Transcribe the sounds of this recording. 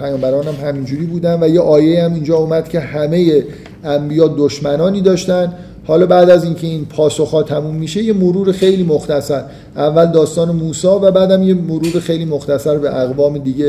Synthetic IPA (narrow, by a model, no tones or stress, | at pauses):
pʰæjɒːmbæɾɒːnæmhæmind͡ʒuːɾiːbuːd̪ænd̪væjeʔɒːjeiæmind͡ʒɒːuːmæd̪̥kcʰe̞hæme̞je | æmbijɒːd̪oʃmænɒːniːd̪ɒːʃt̪ænd̪ | hɒːlɒːbæːd̪æziːncʰe̞iːnpʰɒːso̞xhɒːt̪ʰæmuːmːiːʃe̞je̞moɾuːɾexe̞jliːmoxt̪æsæɾ | ʔævːæld̪ɒːst̪ɒːne̞muːsɒːvæbæːd̪æmje̞moɾuːɾexe̞jliːmoxt̪æsæɾbeʔæɣvɒːmed̪iːɟe